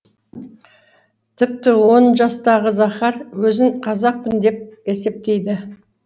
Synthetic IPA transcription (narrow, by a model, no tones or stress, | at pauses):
t̪ʰɪp̚t̪ɪwo̞nʒɑst̪ɑʁəzɑχɑɾwɵzɪɴqʰɑzɑq̚pɪnd̪e̞p̚e̞se̞p̚t̪e̞jd̪ɪ